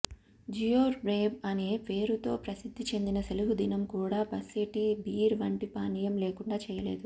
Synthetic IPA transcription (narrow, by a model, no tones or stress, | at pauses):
d͡ʒijoːɾbɾeːbɐneːpe̞ːɾut̪o̞ːpɾɐsid̪ʱːit͡ʃe̞nd̪inɐseluɦud̪inɐmkuːɽaːpɐseʈibiːɾʋɐɳʈipaːnijɐmleːkuɳɖaːt͡ʃɛːjɐlḛːd̪u